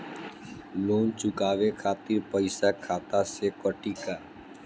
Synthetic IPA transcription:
loːnt͡ʃʊkaːʋeːkʰaːt̪iːɾpəɪsaːkʰaːt̪aːseːkəʈiːkaː

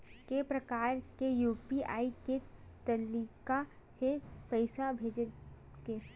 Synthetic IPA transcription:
kepɾəkaːɾkejuːpia̰ːiket̪ɐliːka | hepəɪsabʱeːd͡ʒə | ke

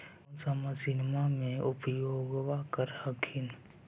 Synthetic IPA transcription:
səməsɪnmamẽʊpjoːɡwakəɾhəkʰin

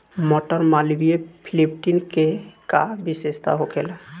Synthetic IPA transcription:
mɔʈɔɾmalibiepʰilipʰʈinkeka̰bisest̪a̰ɦokela

